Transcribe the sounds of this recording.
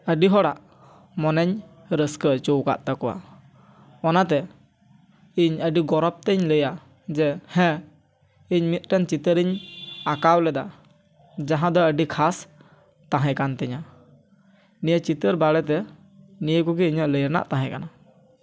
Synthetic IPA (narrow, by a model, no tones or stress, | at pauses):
əɖiɦɔɽaʔ | mɔnɛɲ | ɾəskət͡ʃowka̰ʔt̪akɔwa̰ | ɔnat̪ɛ | iɲəɖiɡɔɾɔp̚t̪ɛɲləja | d͡ʒɛhɛ̃ | iɲmit̪̚ʈɛnt͡ʃit̪əɾiɲakawlɛd̪a | d͡ʒaɦãd̪ɔəɖikʰas | t̪ãɦɛ̃kant̪ɛɲa | nijət͡ʃit̪əɾbaɽɛt̪ɛ | nijəkɔɡɛiɲəʔləjɾna̰ʔt̪ãɦɛ̃kana